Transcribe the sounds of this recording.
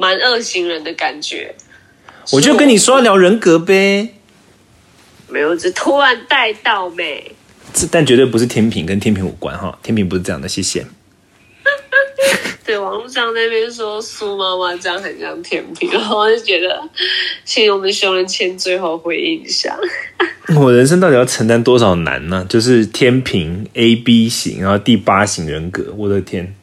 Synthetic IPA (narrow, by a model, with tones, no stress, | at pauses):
ma˧˦nə˥˧˩ɕi˧˥ŋɻə˧˦nd̪ə˨ka˨˩nt͡ɕɥɛ̰˧˦ | wɔ˨˩t͡ɕjo˥˩ʊkə˥ni˨˩ʂwɔ˦˥jɑ˥˩ljɑ˧˥ʊɻə˧˥nkɤ˧˥pe˥ɪ | me˧˥ɪjo˨˩ʈ͡ʂ̩˥d̪ə˨˩t̪ʰu˦˥ɻa˧˦nt̪a˥˧ɪt̪ɑ˥˩ʊme˨˩ɪ | ʈ͡ʂ̩˥˧t̪a˥˨˩nt͡ɕɥɛ˧˥t̪we˥˩ɪp̬u˦ʂɻ̩˥˩t̪ʰjɛ˥npʰi˨ŋkə˦nt̪ʰjɛ˧˥npʰi˧˦ŋwɔ̰˨˩kwa̰˦nxɔ̰˥˧t̪ʰjɛ˥npʰi˨ŋp̬u˦ʂɻ̩˥˧˥jɑ̰˥˨ŋd̪ə˨ɕjɛ˥ɕjɛ̰˥˩n | t̪we˥˩ɪwɑ˨˦ŋu˥˧ɕɑ˥˩ŋna˥˩ɪpjɛ˥nʂ̬wɔ˥su˥ma˥ma˧ʈ͡ʂjɑ˥˩ŋxə˨˩nɕjɑ˥˩ŋt̪ʰjɛ˦˥npʰi˨˩ŋ˨i˥˩t͡ɕɥɛ˧˥d̪ə˧t͡ɕʰi˥wɔ˨mə˨ɕo˥ʊɻə˧˦nt͡ɕʰjɛ˥nt͡swe˥˧ɪxo˥˧ʊxwe˥˧ɪḭ˧˩nɕjɑ̰˨˩˦ŋn̩˥˩wɔ˨˩ɻə˧˦nʂ̬ə˥ŋt̪ɑ˥˩t̪i˨˩jɑ˥˩ə˧˥ŋt̪a˥nt̪wɔ˥ʂɑ˨˩ʊna̰˧˦nə˦t͡ɕjo˥˧ʊʂɻ̩˥˩t̪ʰjɛ˥npʰi˧˥ŋe˥ɪpi˦˥ɕḭ˨˥ŋɻa̰˧˦xo˥˧t̪i˥˩pa˥ɕi˧˥ŋɻə˧˦nkɤ̰˧˦wɔ˨˩d̪ə˦t̪ʰjɛ˥n